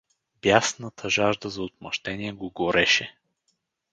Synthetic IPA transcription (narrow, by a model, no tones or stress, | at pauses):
b̥jasnət̪ʰəʒaʒd̪əzɐot̪̚mɐʃt̪ɛniɛɡoɡoɾɛʃɛ